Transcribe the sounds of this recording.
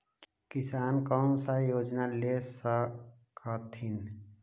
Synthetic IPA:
kɪsaːnkəːnsajoːd͡ʒnalesə | kət̪ʰin

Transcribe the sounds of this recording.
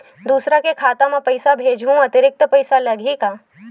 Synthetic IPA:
d̪uːsɾakekʰaːt̪ãmẽpɐɪsabʱeːd͡ʒɦũɐt̪ɪɾɪk̚t̪pɐɪsalɐɡʱikaː

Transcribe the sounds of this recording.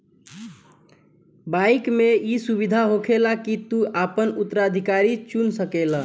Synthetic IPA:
baikmeisubid̪ʱaɦokʰelakit̪uʔapənut̪ːəɾad̪ʱikaɾit͡ʃunsəkelə

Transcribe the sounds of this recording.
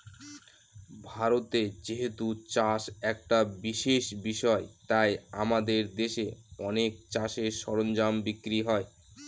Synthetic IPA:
bʱaɾot̪ed͡ʑiɦet̪ut͡ɕaʃɛk̚ʈabiʃeʃbiʃɔet̪aja̰mad̪eɾd̪eʃeɔnek̚t͡ɕaʃeʃɔɾond͡ʑambikːɾiɦɔe

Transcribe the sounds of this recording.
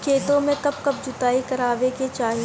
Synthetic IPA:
kʰeːt̪õmẽkɐb̚kɐb̚d͡ʒʊt̪aːikɐɾaːʋeket͡ʃaːɦie

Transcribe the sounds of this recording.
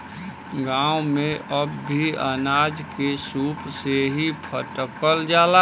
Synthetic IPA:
ɡãːwmẽʔəbːʱiənaːd͡ʒkesuːpseɦipʰəʈəkəld͡ʒaːla

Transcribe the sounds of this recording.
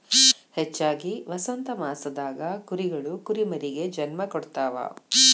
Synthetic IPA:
het͡ʃːaːɡiʋɐsɐnt̪ɐmaːsɐd̪aːɡɐkuɾiɡɐɭukuɾimɐɾiɡe̞d͡ʒɐnmɐkɔɽt̪aːʋɐ̰

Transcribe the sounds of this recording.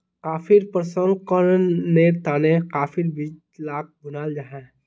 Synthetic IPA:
kaːfɪɾpəɾsəlkɔːnːet̪aːneqaːfʰɪɾbiːt͡ʃ | laːk̚bʊnaːld͡ʒaːɦɛ̃ː

